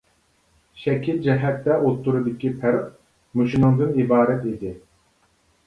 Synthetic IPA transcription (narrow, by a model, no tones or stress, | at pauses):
ʃɛkʲʰild͡ʒɛɦɛt̪ːɛʔot̪ʰːuɾɨd̪ɪkʲipʰæɾq | muʃinɨŋd̪ɨnibɑːɾɛt̪id̪ɪ